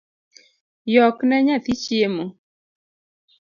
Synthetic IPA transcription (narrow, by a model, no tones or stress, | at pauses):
jɔknɛɲat̪it͡ʃiemo